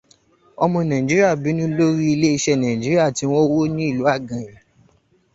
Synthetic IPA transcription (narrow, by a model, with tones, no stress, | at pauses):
ɔ˧mɔ̃˧nã˨ĩ˨d͡ʒi˨˦ɾi˦a˦˨bi˨˦nũ˦lo˦ɾi˦i˧le˦i˧ʃɛ˧nã˨ĩ˨d͡ʒi˨˦ɾi˦a˦˨ti˨˧˦w̃ɔ̃˦wo˦nĩ˦i˦˨lu˨˦a˦˨ɡã˨ɾɛ˨